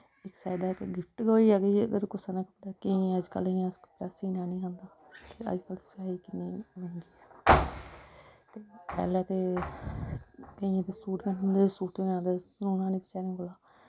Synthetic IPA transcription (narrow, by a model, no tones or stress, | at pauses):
ɪksaːd̪aːkɡɪpʰʈɡoːiːɛːɡiːə̰ɡəɾkʊsanãːkəpɽaːkiĩəd͡ʒkə̰lĩːəskːpɾaːsiːnãːnĩːɦə̃ːnd̪aː | t̪eːə̰d͡ʒkəlsaːiːkɪnːiːʋẽːŋɡiːɛː | t̪eːpɛ̰ːlaːt̪eː | kəĩːt̪eːsuːʈkənɦʊnd̪eːsuːʈeãːd̪eːnũnãːniːpɪt͡ʃaːnĩːkolaː